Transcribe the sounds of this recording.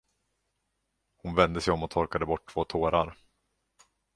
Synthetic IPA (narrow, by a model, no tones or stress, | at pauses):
hʊnvɛnd̪əsɛjɔmɔt̪ʰɔɾkad̪əbɔʈʰːv̥oːt̪ʰoːɾaɾ